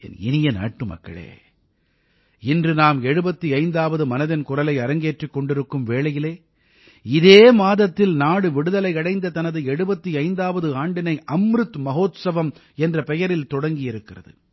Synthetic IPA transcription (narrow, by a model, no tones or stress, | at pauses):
ɛ̰nɪ̰nɪjɐna̰ːʈːɯmɐ̰kːɐ̰ɭḛː | ɪndrɯnaːmɛɻɯbɐt̪ːiɐɪnd̪aːʋɐðɯmɐnɐðɪnkʊrɐlɐɪɐɾɐŋɡeːʈrikːɔɳɖɪɾɯkːɯmʋeːɭɐjɪleː | ɪðeːmaːðɐt̪ːɪlnaːɽɯʋɪɽɯðɐlɐɪɐɽɐɪnd̪ɐt̪ɐnɐðɯɛɻɯbɐt̪ːiɐɪnd̪aːʋɐðɯaːɳɖɪnɐɪʔɐmɾɯt̪mɐɦoːt̪sɐʋɐm | ɛndrɐpɛjɐɾɪlt̪ɔɽɐŋɡɪjɪɾɯkːɪrɐ̰ðɯ̰